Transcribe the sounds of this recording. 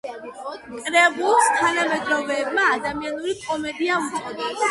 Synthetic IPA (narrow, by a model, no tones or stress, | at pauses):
kʼɾɛbulˠst̪ʰanamɛd̪ɾɔvɛːbmaːd̪amianuɾikʼɔmɛd̪iaut̪ɛa